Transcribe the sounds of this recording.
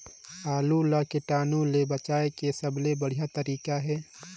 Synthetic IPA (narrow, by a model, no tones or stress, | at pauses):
aːlulakeʈaːnũlebət͡ʃaːekesəblebəɽ̤ijat̪əɾiːkaɦɛː